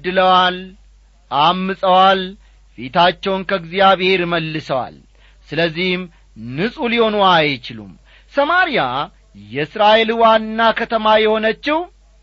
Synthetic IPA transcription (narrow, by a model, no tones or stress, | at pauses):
d̪ɨləwal | ʔamːɨsʼəwal | fe̞t̪ʰat͡ʃːɛwnkʰəɡzjaβhe̞ɾməlːɨsəwa̰l | sɨləzːihm | nɨsʼuliho̞nuajt͡ʃɪlṵm | səmaɾija | jɛɨsɾaʔe̞lwanːakʰət̪ʰəmajɛho̞nət͡ʃːɪh